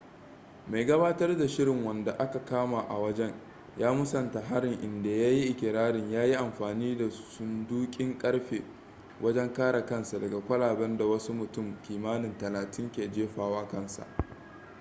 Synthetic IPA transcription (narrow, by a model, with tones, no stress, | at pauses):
ma˨jɡɐ˦baː˦tɐ˦rda˨ʃɪ˦ɾɪ˨ŋwɐ˨nda˨ʔa˦ka˨kaː˦ma˨ʔa̰˨wɐ˦d͡ʒɛ˦ɲ | jaː˦mʊ˦sɐ˨nta˨ɦa˦ɽɪ˨ŋʔɪ˨nda˨ja˦ji˦ʔɪ˨kʲɪ˨ɾaː˦ɽɪ˨ɲjaː˦ji˦ʔa˨mɸaː˨niː˦da˨sʊ˦nduː˦kʲʼɪ˦ŋkʼɐ˦ɽɸeː˨ | wʔɐ˦d͡ʒɛ˦ŋkaː˦ɽa˨kɐ˦nsa˨dɐ˨ɡa˨kʷɐ˦laː˨bɛ˦nda˨wɐ˦su˦mʊ˨tʊ˦˨mkʲiː˨maː˦nɪ˨ntɐ˨laː˨tɪ˦ŋkʲeː˨d͡ʒeː˦ɸaː˨waː˦kɐ˦˨nsa̰˨ʔ